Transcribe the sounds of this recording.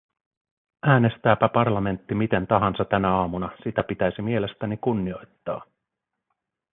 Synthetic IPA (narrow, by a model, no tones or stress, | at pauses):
ʔæːne̞st̪æːpæpɑrlɑme̞nt̪ːimit̪e̞nt̪ɑɦɑnsɑt̪ænæɑːmunɑsit̪æpit̪æjsimie̞le̞st̪ænikunːio̞jt̪ːɑ̰ː